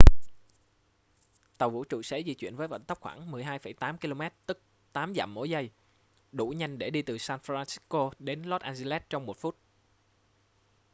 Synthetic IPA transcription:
t̪ə˨˩wvṵ˧˥t͡ɕṵ˧˨sḛ˧˥zḭ˧˨t͡ɕwḭ˧˨ənvəː˨˦jvə̰˧˨nt̪ə˦˥p̚xwaː˧˩ŋmɨ˨˩əjɦaː˧jfə˧˩jt̪aː˨˦mki˧lo˧mɛ˦˥t̚t̪ɨ˦˥k̚ | t̪aː˨˦mza̰ː˧˩mːo̰˧˦jzə˧j | ɗu˧˩ɲa˧jŋ̟ɗe˧˩ɗi˧t̪ɨ˨˩saː˧nfɾaː˧nsi̥˦ko˧ɗe˨˦nlɔ˦˥t̚ʔaː˧nzi˧lɛ˦˥t̚t͡ɕɔ˧wŋ͡mmo˨˩t̚fu˦˥t̚

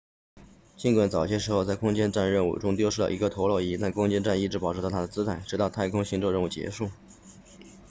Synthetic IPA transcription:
t͡ɕi˥˧nkwa˨˩nt͡sɑ˨˩ʊɕjɛ˥ʂɻ̩˧˥xo˥˧ʊt͡sa˥˩ɪkʰʊ˥ŋt͡ɕjɛ˥nʈ͡ʂa˥˧nɻə˥˧nṵ˥˩ʈ͡ʂʊ˥ŋt̪jo˥ʂɻ̩˥˩lə̰˩ʔḭ˧˥ɡə˧t̪ʰo˧˥ʊlwɔ˥˧i˥˩t̪a˥˩nkʰʊ˥ŋt͡ɕjɛ˥nʈ͡ʂa˥˧ni˥˩ʈ͡ʂɻ̩˧˥pɑ˨˩ʊʈ͡ʂ̩̪ʰ˧˥˩t̪ʰd̪ə˩t͡sɹ̩˥t̪ʰa˥˩ɪʈ͡ʂɻ̩˧˥t̪ɑ˥˧ʊt̪ʰa˥˧ɪkʰʊ˥ŋɕi˧˥ŋʈ͡ʂɤ˥˧ɻə˥˧u˥˩t͡ɕjɛ̰˧˥ʂu˥˩

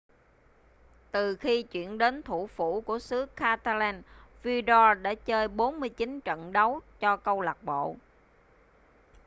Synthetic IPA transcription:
t̪ɨ˨˩xi˧t͡ɕwḭ˧˨ənɗe˨˦nt̪ʰu˧˩fu˧˩ku˧˩əsɨ˨˦əkʰaː˧t̪aː˧lɛː˧nvi˧zɔ˧ɗa̰ː˧˥t͡ɕəː˧jɓo˨˦nmɨ˧əjt͡ɕi˨˦nt͡ɕə̰˧˨nɗə˨˦wt͡ɕɔ˧kə˧wla˨˩k̚ɓo̰˧˨

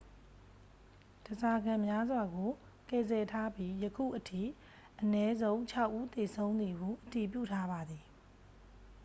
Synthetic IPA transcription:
d̥ə˨za˨ɡã˨mja˦zwa˨ɡo˨ | kɛ˨zɛ˨tʰa˦pji˦jəkʰṵ˦˨ʔətʰḭ˦˨ | ʔənɛ˦zõ˦ʊ̃ɲt͡ɕʰa˦ʊʔu˦t̪e˨sʰõ˦ʊ̃nd̪i˨ɦu˨ʔəti˨pjṵ˦˨tʰa˦ba˨d̪i˨

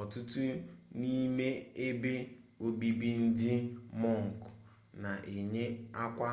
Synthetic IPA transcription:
ɔ˨tʊ˦tʊ˦ni˦me˦e˦be˦ | o˨bi˦bi˦n̩˦dɪ˦mɔ˦˨ŋ̩˨k | na˨ʔe˨ɲe˦a˦kʷa˦

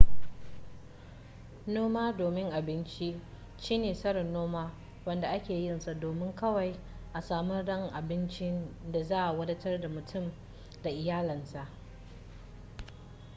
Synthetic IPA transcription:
noː˦maː˦doː˨mɪ˦ŋʔa˨bɪ˦nt͡ʃi˦ʔ | ʃiː˦neː˨sɐ˦ɽɐ˨nːoː˦maː˦ | wɐ˦nda˨ʔa˦kʲeː˨jɪ˦nsa˨doː˨mɪ˦ŋkɐ˦wa˨j | ʔa˨saː˨mɐ˦rdɐ˦ŋʔa˨bɪ˦nt͡ʃɪ˦nda˨zaː˦ʔa˨wɐ˦dɐ˦tɐ˦rda˨mʊ˨tʰʊ˦˨m | da˨ʔɪ˨jaː˦lɐ˨nsa˨ʔ

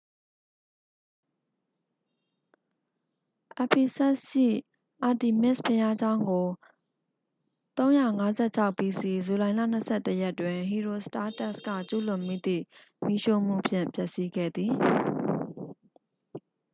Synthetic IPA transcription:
ʔa˨pʰi˨sɛ˦ʔʃḭ˦˨ | ʔa˨ti˨mɪ˦˨spʰɪ˨ja˦d͡ʑã˦ʊ̃ŋɡo˨ | t̪õ˦ʊ̃ja˦˨ŋa˦zɛ̰˦˨t͡ɕʰa˦ʊpːi˨si˨zu˨lã˨ɪ̃la̰˦˨n̥əsʰɛ˦˨tə˦˨jɛ˦ʔtːwɪ̃˨ɦi˨ɹo˨sta˦tɛ˦ʔskä̰˦˨t͡ɕṵ˦˨lʊ̃˨mi˦˨d̪ḭ˦˨ | mi˦ʃo˦˨m̥ṵ˦˨pʰjɪ̰̃˦˨mpʰjɛ˦ʔsi˦ɡɛ̰˦˨d̪ði˨

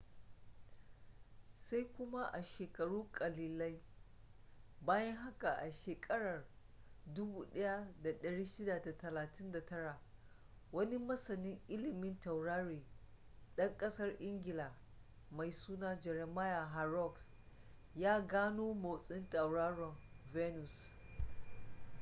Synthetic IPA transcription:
sa˦jkʷʊ˦ma˦ʔa˨ʃeː˨kʼɐ˨ɽuː˦kʼɐ˨liː˨la˦j | baː˦jɐ˦ŋɦa˦ka˨ʔa˨ʃeː˨kʼɐ˦ɽɐ˨r | dʊ˦buː˨˦ɗɐ˦ja˦da˨ɗɐ˨ɽiː˦ʃɪ˦da˨da˨tɐ˨laː˨tʰɪ˦nda˨tɐ˦ɽa˨ | wɐ˦ni˦mɐ˦sɐ˨nɪ˦ŋʔɪ˦lɪ˨mɪ˦ntɐ˨wɽaː˦ɾiː˨ | ɗɐ˦ŋkʼɐ˦sɐ˦rʔɪ˦ŋɡʲɪ˨laː˨ | ma˨jsuː˦naː˦d͡ʒɛ˨ɾɛ˨ma˦ja˨ɦa˨ɾɔ˦ks | jaː˦ɡaː˦noː˦ma˨sʼɪ˦ntɐ˨wɽaː˦ɽɔ˨nvɛ˦nu˨s

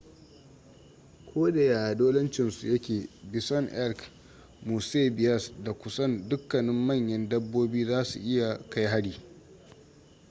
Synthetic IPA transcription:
kʷʰoː˦da˨jaː˨ʔa˨doː˦lɐ˦nt͡ʃɪ˨nsu˨jɐ˦kʲeː˨bɪ˨sɐ˦ŋʔɛ˦lk | muː˨seː˦bɪ˨jɐ˦˨sda˨kʷʊ˦sɐ˦ndʊ˦kːɐ˨nɪ˦mːɐ˦˨ɲjɐ˦ndɐ˦bːoː˦biː˦zaː˦sṵ˨ʔɪ˦ja˨ka˦jɦa˦ɽiː˨

